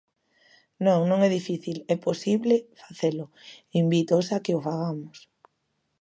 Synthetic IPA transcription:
nõŋnõŋɛðifiθilɛposiβlefḁθelʊimbit̪osakeofaɣamʊs

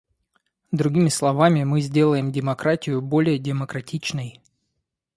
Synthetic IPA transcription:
d̪ɾʊɡʲimʲɪslˠɐvamʲɪmɨzʲdʲe̞lˠəjɪmdʲɪmɐkɾatʲɪjʊbo̞lʲɪjədʲɪməkɾɐtʲit͡ɕnəj

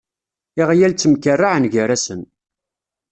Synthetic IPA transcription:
ɪʁjælt͡sːəmkərːaʕənʝəɾæsən

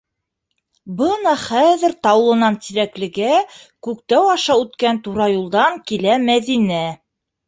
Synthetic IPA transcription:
bɤnɑχæðɘ̆ɾt̪ɑwlˠɤ̆nɑnt̪iɾæklɘ̆ɡækʉkt̪æwɑʃɑʉt̪kænt̪uɾɑjulˠd̪ɑŋkilæmæðinæ

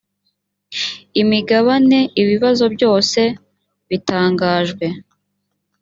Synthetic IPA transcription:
imiɡaβane̞iβiβazo̞bjo̞ːse̞ | βitaːŋɡaːʒɡwe̞

